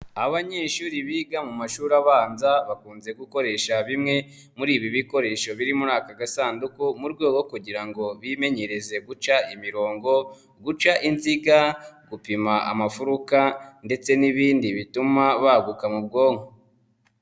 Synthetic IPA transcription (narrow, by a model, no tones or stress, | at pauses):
aβaɲeːʃuːɾiβiːɡamumaʃuːɾaβaːnzaβakuːnze̞ɡuko̞ɾe̞ʃaβimŋe̞ | muɾiːβiβiko̞ɾe̞ːʃo̞βiɾimuɾaːkaɡasaːndukumuɾɡo̞ːɡo̞kuɟiɾaŋɡo̞βime̞ɲe̞ɾe̞ze̞ɡut͡ʃaimiɾo̞ːŋɡo̞ | ɡut͡ʃaʔinziɡaɡ̥upimaa̰mafuɾukande̞t͡se̞niβiːndiβitumaβaɡukamub̚ɡo̞ːŋo